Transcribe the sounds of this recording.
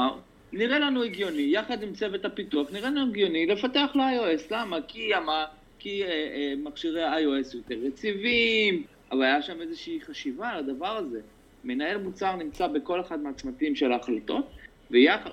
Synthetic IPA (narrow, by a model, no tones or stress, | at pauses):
niʁe̞lanueɡjo̞nijaχad̪imt͡sevet̪hapituaχniʁelanueɡjo̞nile̞fate̞aχleajo̞e̞slamakiama | kimaχʃiʁeajoesjo̞t̪e̞ʁːet͡sivim | ʔavalajaʃame̞zeʃiːχaʃivalad̪avaʁaze̞ | menae̞lmut͡saʁnimt͡sabeko̞leχad̪meat͡smatimʃelaːχlat̪o̞t̪ | vejaχa